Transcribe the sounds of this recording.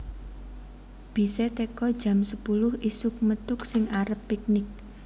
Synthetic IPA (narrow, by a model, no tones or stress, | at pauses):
b̥i̤sɛt̪ekɔd̥ʒ̥ä̤msəpulʊhisʊk̚mət̪ʊksɪŋaɾəpːik̚nɪk̚